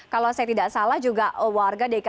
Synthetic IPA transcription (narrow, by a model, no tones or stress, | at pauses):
kalowsajat̪idaʔsalahd͡ʒuɡaʔwarɡadek